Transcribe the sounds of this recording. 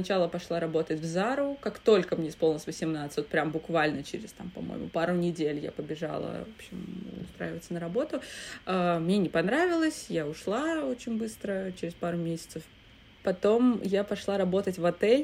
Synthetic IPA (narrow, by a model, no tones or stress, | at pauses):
snɐt͡ɕalˠəpɐʂlˠaɾɐbo̞t̪ətʲvzaɾʊkakt̪o̞lʲkəmnʲeɪsp̪ˠnʲəsʲvəsʲɪmnat̪sət̚ʲpɾʲambʊkvalʲnət͡ɕɪ̰ɾʲɪ̰st̪ampɐmo̰jɪ̰mʊ̰paɾʊnʲɪdʲelʲja̰pəbʲɪʐa̰lˠə̰vopɕɪmʊ̰st̪ɾa̰jɪvət̪sənəɾɐbo̞t̪ʊəmnʲenʲɪpɐnɾavʲɪlˠəsʲjaʊʂlˠao̞t͡ɕɪnʲbɨst̪ɾət͡ɕɪɾʲɪspaɾʊmʲesʲɪ̥t̪səf | pɐt̪o̞mjapɐʂlˠaɾɐbo̞t̪ətʲvɐt̪ɛlʲ